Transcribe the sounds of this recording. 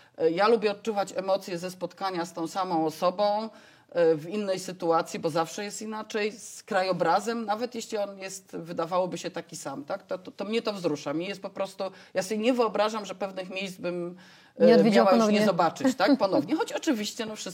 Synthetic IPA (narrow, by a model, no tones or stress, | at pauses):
jalubʲjɛɔt̪̚t͡ʂuvat͡ɕɛmɔt̪sʲjɛzɛspɔt̪kaɲast̪ɔ̃w̃samɔ̃w̃ɔsɔbɔ̃w̃ | vinːɛjsɘt̪uat̪sʲjibɔzafʂɛjɛst̪inat͡ʂɛjskɾajɔbɾazɛmnavɛt̪jeɕlʲiɔnjɛst̪vɘd̪avawɔbɘɕɛt̪akʲisamt̪akt̪ɔɔt̪ɔmɲɛt̪ɔvzɾuʂamɲɛjɛst̪̚pɔpɾɔst̪u | jasɔbʲjɛɲɛvɘɔbɾaʐamʐɛpɛvnɘxmʲjejsd̪zbɘm | vmawanɲɛzɔbat͡ʂɘt͡ɕt̪akpɔnɔvɲɛxɔt͡ɕɔt͡ʂɘvʲiɕt͡ɕɛnɔfʂɘ